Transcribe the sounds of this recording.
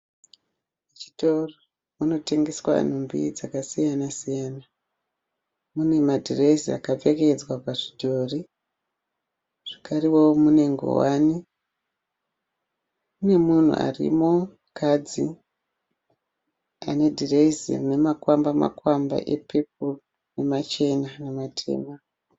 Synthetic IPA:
et͡ʃi̥toro | muno̞te̞ŋɡeswa̰n̤umbḭd͡zakasijanasijaːna | mune̞madʱireisia̰kap͡feked͡zwapaʐidʱoːri | ʐ̥ikariwomune̞ŋɡo̰wani | mune̞mun̤ṵʔa̰rḭmo̞ | kad͡zi | a̰ne̞dʱireisḭmune̞makwambama̰kwamba̰ʔepep̚u | ne̞mat͡ʃe̞nanematʰḛːma

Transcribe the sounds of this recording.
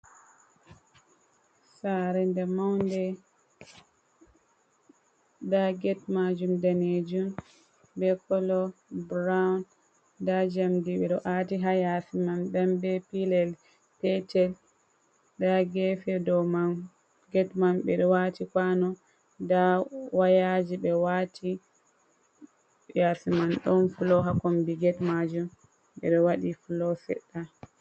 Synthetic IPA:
saɾɛndɛmawndɛ | daɡɛt̚mad͡ʒumdaned͡ʒum | bɛkɔlɔbɾawn | dad͡ʒamdiɓɛɗɔʔatiɦajafimamɗɛmbɛpilɛl | pɛtɛl | daɡɛfɛdɔman | ɡɛtmanɓɛɗɔwatikwanɔ | dawajad͡ʒiɓɛwatʰi | jasimanɗɔnfulɔɦakɔmbiɡɛtmad͡ʒum | ɓɛ̰ɗɔwaɗifulɔsɛ̰ɗːa

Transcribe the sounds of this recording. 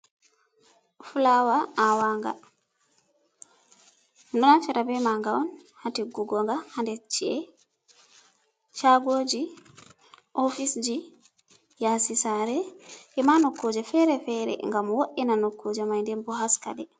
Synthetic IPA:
fulawaʔawaŋɡa̰ | dɔnafɛɾabɛmaŋɡawɔnhatiɡuɡɔŋɡahandɛt͡ʃːiɛ | t͡ʃaɡoːd͡ʒi | ʔofisd͡ʒi | jasisaɾɛʔɛmanokːod͡ʒɛfɛɾɛfɛɾɛ̰ŋɡamwoʔinanokːod͡ʒɛmajndɛnbɔɦaska̰dɛ

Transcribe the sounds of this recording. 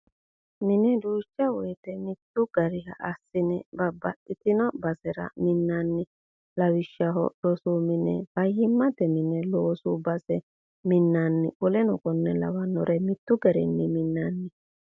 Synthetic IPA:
mɪnɛd̪uːt͡ʃːɐwɔjt̪ɛmɪt̪ːʊɡ̥ɐɾɪhɐ̰ʔɐsːɪnɛbɐbɐɗɪt̪ɪnɔbɐsɛɾɐ̰mɪnːanːɪ | lɐwɪʃːɐɦɔ̰lɔsuːmɪnɛ̰bɐjhɪmːɐt̪ɛmɪnɛloːsubɐsɛ | mɪnːanːɪ̰ʔʊlɛnɔkɔnːɛlɐ̰wɐnːɔɾɛmɪt̪ːʊɡɛɾɛ̰nːɪmɪnːanːɪ

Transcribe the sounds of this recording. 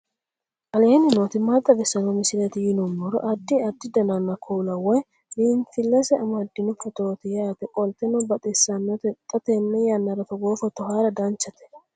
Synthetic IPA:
ʔɐleːnɪnoːt̪ɪmad̪ːɐbɛsːɐnɔmɪsɪlɛt̪ɪjɪnɔmːɔɾɔ̰ʔɐd̪ɪɐd̪ːɪd̪ɐnanːɐkʰuːlɐwɔj | miːnfɪlːɛsɛɐmɐd̪ːɪnɔfɔt̪oːt̪ɪjaːt̪ɛkʼɔlt̪ɛnɔbɐt̪ʼɛsːanːɔt̪ɛt̪ʼːɐt̪ɛnːɛjɐnːɐɾɐfɔɡoːfɔt̪ɔhaːɾɐd̪ɐnt͡ʃːɐt̪ɛ̥

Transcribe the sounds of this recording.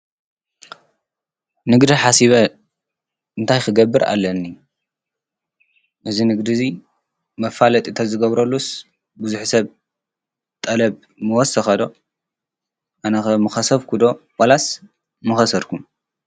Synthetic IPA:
nɨɡd̪iħasiβɐ | ɨnt̪ʰajxɨɡɐbːɨɾʔa̰lːɐnːi | ʔɨzinɨɡd̪izi | mɐfalɐt̪ʼit̪ʰɐzɨɡɐβɾɐlːus | buzuħisɐβ | t̪ʼɐlɐb | mɨwɔsɐxɐd̪o̞ | ʔanɐxɐmɨxɐsɐβkʰud̪o̞wʼɐlas | mɨxɐsɐɾkʰum

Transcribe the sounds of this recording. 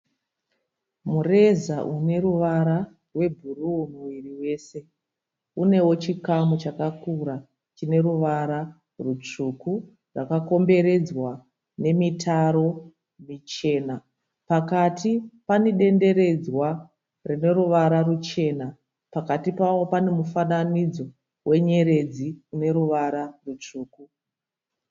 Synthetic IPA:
mure̞zaʔune̞ɾuʋaɾa | rwe̞bʱuruumuʋiriwe̞ːse̞ | une̞wo̞t͡ʃikamut͡ʃakakuɾa | t͡ʃine̞ɾuʋaɾa | rut͡ʂuku | rakako̞mbe̞ɾe̞d͡zwa | ne̞mitʰaɾo̞ | mit͡ʃe̞ːna | pakatipaniɗe̞nde̞ɾe̞d͡zwa | rine̞ruʋaɾarut͡ʃe̞na | pakatipawo̞pane̞mufananid͡zo̞ | wʔe̞ɲe̞ɾe̞d͡ziune̞ɾuʋaɾarut͡ʂuːku

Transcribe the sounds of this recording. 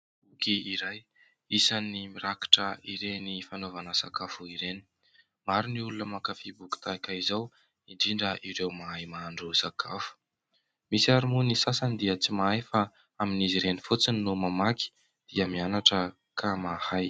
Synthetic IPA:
b̥ukiiɾaj | isanimiɾaki̥ʈ͡ʂəiɾenifanovanəsa̰kafuiɾeni̥ | maɾiniulunəmakafibuki̥t̪akaizaw | iɳɖ͡ʐiɳɖ͡ʐəʔiɾewmaajmaːɳɖ͡ʐusakʰafu̥ | misiaɾumunisasanid̪iət͡simaajfa | aminiziɾenifut͡sininumamaki̥ | d̪̥iəmianaʈ͡ʂə | kʰamahaj

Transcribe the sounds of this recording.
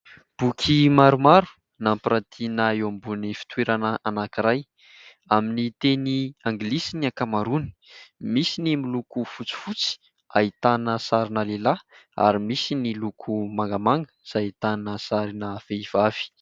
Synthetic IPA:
b̥ukʲʰimaɾumaɾu̥ | nampɾat̪ʰinaewambunifi̥t̪weɾanəʔanakiɾaj | aminit̪eniaŋɡlisiniakamaɾuni̥misinimilukufut͡si̥fut͡si̥ | a̰it̪anəsaɾinəlelaa̰ɾimisinilukʰumaŋɡəmaŋɡə̥z̥ait̪anəsaɾinəv̥eiv̥av̥i̥

